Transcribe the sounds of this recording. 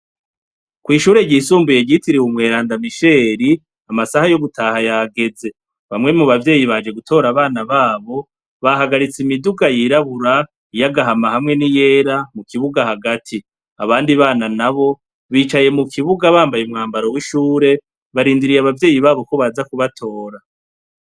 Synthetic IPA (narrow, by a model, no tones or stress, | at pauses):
kwiːʃuːɾe̞ɟiːsuːmbuje̞ɟitiɾiumŋe̞ːɾaːndamiʃe̞ːɾi | amasahajo̞ɡutʰaːhajaɡe̞d͡ze̞ | βamŋe̞muβavje̞ːjiβad͡ʒe̞ɡutʰo̞ːɾaβaːnaβaːβo̞ | βaɦaɡaɾit͡simiduɡajiɾaβuɾa | ijaɡaɦamahamŋe̞nije̞ːɾamukʰiβuɡahaɡatʰi | aβaːndiβaːnanaβo̞ | βiːt͡ʃaje̞mukʰiβuɡaβaːmbajeumŋaːmbaɾo̞wiʃuːɾe̞ | βaɾiːndiɾijaβavje̞ːjiβaːβo̞ko̞βaːzakuβatʰo̞ːɾa